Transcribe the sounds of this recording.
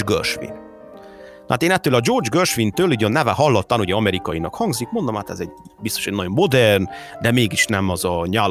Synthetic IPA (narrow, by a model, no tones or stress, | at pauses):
ɡø̰rʃʋḭn | n̰aːt̪eːnɛt̪ːøːlɒd͡ʒo̞rd͡ʒɡørʃʋint̪øːliɟønːɛvɛɦɒlːot̪ːanuɟɛɒmɛɾikɒjinɒkhɒŋɡzikmo̞nd̪omaːt̪ɛzɛɟ | bist̪o̞ʃeːnɒɟomːo̞d̪ɛrnd̪ɛmeːɡiʃnɛmɒzɒɲaː